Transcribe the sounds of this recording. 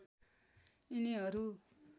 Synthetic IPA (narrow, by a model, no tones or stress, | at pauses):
iniɦʌɾu